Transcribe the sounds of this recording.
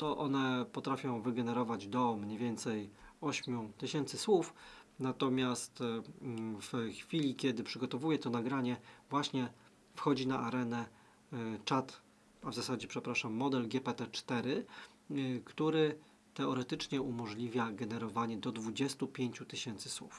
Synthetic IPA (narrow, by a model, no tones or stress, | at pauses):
t̪ɔʔɔn̪ɛpɔt̪ɾafʲjɔ̃w̃vɘɡɛnɛɾɔvad͡ʑd̪ɔmɲejvʲjɛnt̪sɛjɔɕmʲjut̪ɘɕɛnt̪sɘswufnat̪ɔmʲjast̪ | vxfʲilʲikʲɛd̪ɘpʂɘɡɔt̪ɔvujɛt̪ɔnaɡɾaɲɛvwaɕɲɛ | fxɔd͡ʑinaʔaɾɛnɛ | t͡ʂat̪ | avzasad͡ʑɛpʂɛpɾaʂamːɔd̪ɛlɡʲɛpɛt̪ɛt͡ʂt̪ɛɾɘ | kt̪uɾɘ | t̪ɛɔɾɛt̪ɘt͡ʂɲɛumɔʐlʲivʲjaɡɛnɛɾɔvaɲɛd̪ɔd̪vud͡ʑɛst̪upʲjeɲt͡ɕut̪ɘɕɛnt̪sɘswṵf